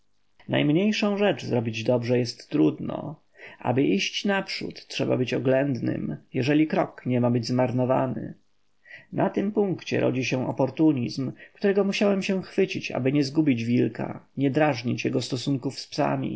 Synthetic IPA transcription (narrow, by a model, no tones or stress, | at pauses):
na̰jmɲejʂɔ̃w̃ʐɛt͡ʂzɾɔbʲid͡ʑd̪ɔbʐɛjɛst̪ːɾud̪nɔ̰ | ʔa̰bɘʔiɕt͡ɕnapʂṵt̪ːʂɛba̰bɘt͡ɕɔɡlɛnd̪nɘ̰mjɛʐɛlʲikɾɔkɲɛmabɘd͡ʑzmaɾnɔva̰nɘ̰ | nʔat̪ɘmpuŋkt͡ɕɛ̰ɾɔ̰d͡ʑiɕɛ̃ʔɔpɔɾt̪uɲizmkt̪uɾɛɡɔmuɕawɛmɕɛ̃xfɘt͡ɕit͡ɕa̰bɘɲɛzɡubʲid͡ʑvʲilka̰ɲɛd̪ɾaʐɲit͡ɕjɛɡɔst̪ɔsuŋkufspsa̰mʲḭ